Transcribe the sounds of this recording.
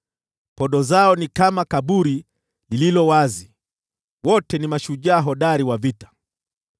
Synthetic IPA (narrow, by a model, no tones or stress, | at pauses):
pɔɗɔzaɔnikamakaɓuɾi | lililɔwazi | wɔtɛnimaʃuʄaːɦɔɗaɾiwavitḁ